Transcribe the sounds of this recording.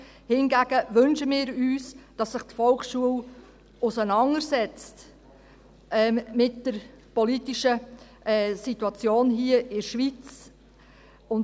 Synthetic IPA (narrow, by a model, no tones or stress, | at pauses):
hɪnɡæɡ̥əʋʏnʃəmɪːɾyːsd̥ɑsːɪχtfɔlkʃuəl | ʊsənɑnəɾsɛt͡st | ʔɛmɪtd̥əɾ | pɔlitiʃə | ɛsituɑt͡sjoːnɦiəʔɪɾʃʋit͡s | ʊn